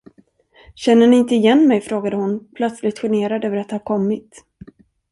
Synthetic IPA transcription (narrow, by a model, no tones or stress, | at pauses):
ɕɛnːəɳɪɪnt̪əɪjɛnːmɛjfɾoːɡad̪əhʊnpʰlœt̪slɪɡt̪ɧɛɳeːɾad̪øːvəɾat̪̚haɾkʰɔmːɪt̪